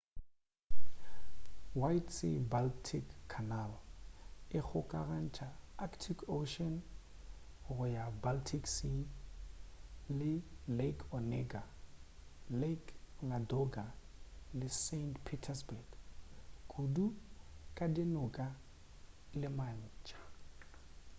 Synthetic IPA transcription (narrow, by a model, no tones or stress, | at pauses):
wajtsḭbaltʰikʰːanal | ɪk͡xʰʊkʼaran̩t͡ʃʰaakʰtʰikʰoʃɔn | ɣʊjabaltʰiksi | lɪlekʰɔnɛɡa | lekŋadɔɡalɪsentpʰitʰɛsbɛɡ | kʼudukʼadɪnʊkʼa | lɪman̩ːt͡ʃʰʼḁ